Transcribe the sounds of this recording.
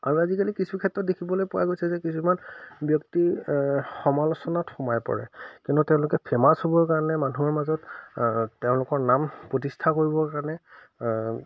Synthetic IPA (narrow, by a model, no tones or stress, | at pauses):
aɹiazikalikisubikʰɛtɹɔt̚dekʰibɔlojpʊwa̰ɡojsɛzɛkisumanbjɔkti | xɔmalɔsɔnatxɔmajpɔ̰ɹɛ̰kĩʊntutɛʊ̃lʊkɛpʰɛmashobɔkaɹnɛmanuɔɹmazɔt | teʊ̃lʊkɔɹnampɹot̬istʰakoɹibɔkaɹanɛ